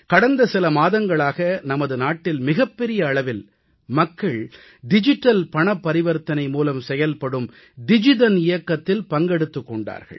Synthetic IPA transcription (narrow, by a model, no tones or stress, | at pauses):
kɐɽɐnd̪ɐsɪlɐmaːðɐŋɡɐɭaːɣɐnɐmɐðɯnaːʈːɪlmɪɣɐpːɛɾɪjɐːɭɐʋɪl | mɐkːɐɭ | ɖɪd͡ʒɪʈːɐlpɐɳɐpːɐɾɪʋɐɾt̪ɐnɐɪmuːlɐmsɛjɐlpɐɽɯm | ɖɪd͡ʒɪðɐnɪjɐkːɐt̪ːɪlpɐŋɡɛɽɯt̪ːɯkːɔɳɖa̰ːɾɣɐ̰ɭ